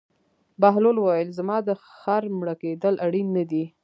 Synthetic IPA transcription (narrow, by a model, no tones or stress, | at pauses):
baɦlolwajəlzamɑd̪əxaɾmɽaked̪əlʔaɽinːad̪i